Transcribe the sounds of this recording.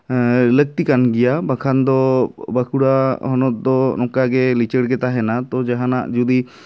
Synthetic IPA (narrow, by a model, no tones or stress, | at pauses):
lək̚t̪ikanɡɛjabakʰand̪ɔbakʰuɽahɔnɔt̪̚d̪ɔnɔkaɡɛlit͡ʃəɽɡɛt̪aɦɛnat̪ɔd͡ʒaɦanaʔd͡ʒud̪i